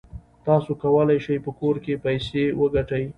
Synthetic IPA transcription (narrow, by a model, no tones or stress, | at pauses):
t̪ɑsokawəlajʃajpəkoɾkepajsewəɡaʈaj